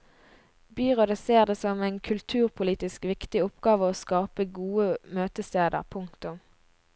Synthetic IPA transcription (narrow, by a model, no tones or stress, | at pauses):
byːʁod̪əseːʁd̪eːsɔmæɪnkʰʉlt̪ʰʉːʁpʰʊliːt̪ɪskʋɪkt̪ɪʊpɡɑːʋəoːskɑːpəɡuːəmøːt̪əst̪eːd̪ə̰ʁpʰʊŋkt̪ʊm